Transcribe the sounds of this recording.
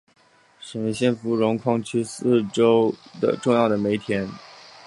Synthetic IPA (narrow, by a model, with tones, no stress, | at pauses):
ʂə˨˩we˧˥ɪɕjɛ˥˩nfu˧˥ɻʊ˧˥ŋkʰwɑ˥ŋt͡ɕʰy˥sɹ̩˥˩ʈ͡ʂo˥ʊd̪ə̰˨ʈ͡ʂʊ˥˧ŋjɑ˥˩ʊd̪ə˩me˧˥ɪt̪ʰjɛ˧˥n